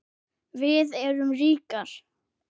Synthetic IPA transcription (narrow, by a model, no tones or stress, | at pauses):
vɪðɛɾʏmriːkaɾ̥